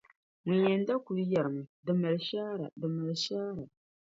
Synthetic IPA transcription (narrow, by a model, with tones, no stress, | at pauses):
ŋɨ˨jɛ˨n˦da˦ku˨lja˨ɾɨ˨mu˨dɨ˨ma˨lʃaː˦ɾa̰˨dɨ˨ma˨lʃaː˦ɾa˨